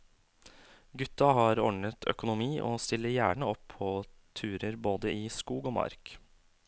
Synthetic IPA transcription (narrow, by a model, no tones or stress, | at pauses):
ɡʉt̪ːɑɦɑːɾɔɳət̪ʰœ̰kʊnʊmiːʔo̰ːst̪ɪlːəɾjæːɳəɔpʰːɔːt̪ʰʉːɾəɾboːd̪əiːskuːɡoːmɑ̰ɾk